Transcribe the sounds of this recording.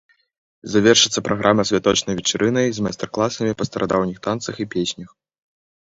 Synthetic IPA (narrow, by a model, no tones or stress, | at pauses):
zavʲɛrʂɨt̪sːɐpɾʔaɣʔamɐsʲvʲat̪ɔt͡ʂnɐjvʲɛt͡ʂaɾʔɨnɐjzmajst̪ɛrklˠasɐmʲipɐst̪ɐɾʔad̪awnʲixt̪ant̪sɐxipʲesʲnʲɐx